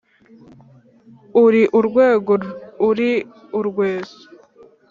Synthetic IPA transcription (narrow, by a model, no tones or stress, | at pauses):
uɾiʔuɾɡweːɡouɾi | uɾɡweːsu̥